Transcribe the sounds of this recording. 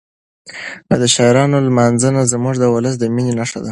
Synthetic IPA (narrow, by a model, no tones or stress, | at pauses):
əd̪əʃɑɪɾɑnolmanzənazmuʐd̪əwʊləs̬d̪əminenaʂa̰d̪a